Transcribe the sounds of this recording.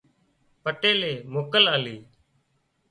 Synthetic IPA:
pəʈeːleːmoːkəlaːliː

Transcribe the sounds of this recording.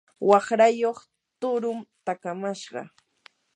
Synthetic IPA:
wɑχɾajoχ | t̪ʊɾʊmt̪akamaʃɢɑ̰

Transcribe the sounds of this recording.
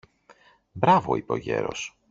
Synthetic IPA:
bɾɐvo̞ipo̞ʝe̞ɾo̞s

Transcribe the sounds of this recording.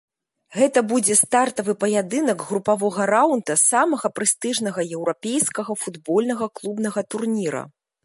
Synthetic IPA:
ɣɛt̪ɐbud͡zʲɛst̪art̪ɐvɨpɐjad̪ɨnɐɡɣɾupavɔɣɐɾawnd̪ɐsamɐɣɐpɾɨst̪ɨʐnɐɣɐjɛwɾapʲejskɐɣɐfud̪bɔlʲnɐɣɐklˠubnɐɣɐt̪urnʲiɾɐ̰

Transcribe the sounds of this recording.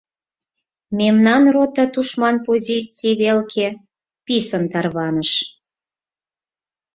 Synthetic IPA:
memnɑnrot̪ɑt̪uʃmɑnpozʲit͡sijβelkʰe | pisənt̪ɑrβɑnəʃ

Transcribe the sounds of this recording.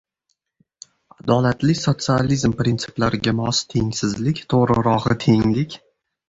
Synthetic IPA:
ad̪ɒlat̪lɪsot̪sɨalizmpɾʲint̪sʰɪ̥plaɾɪɡʲamɒst̪ʰe̞ŋʲsɪzlɪkʲt̪ʰoʁɾɪɾɒʁɨt̪ʰe̞ŋlɪkʲ

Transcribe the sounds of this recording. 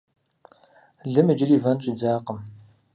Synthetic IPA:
ɮɨmɨd͡ʒɪriːvɐnt͡ʃʷʼiːd͡zaːqəm

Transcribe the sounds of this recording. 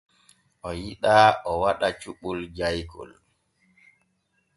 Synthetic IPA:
ʔɔjiɗaɔwaɗat͡ʃuɓuld͡ʒajkʰɔ̰l

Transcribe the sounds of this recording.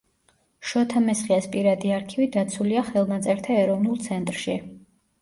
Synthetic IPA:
ʃɔt̪ʰamɛsχiaspʼiɾad̪iaɾkʰivid̪at̪sʰuliaχɛlˠnat̪sʼɛɾt̪ʰaɛɾɔvnulˠt̪sʰɛnt̪ʼɾʃi

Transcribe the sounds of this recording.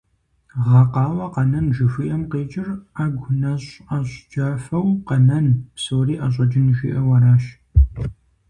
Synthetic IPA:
ʁɐqɑːwɐqɐnɐnʒɪfʷiːʔɐmqeːt͡ʃʼɪraːɡʷʊnɐɕʼɐɕʼd͡ʒaːfɐwqɐnɐnpsowɾiːʔɐɕ̬ʼɐd͡ʒɪnʒḭːʔɐwɐɾaːʃ

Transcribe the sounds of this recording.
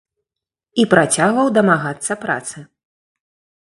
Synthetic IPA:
ipɾat͡sʲaɣvɐwd̪ɐmaɣat̪sːɐpɾa̰t̪sɨ

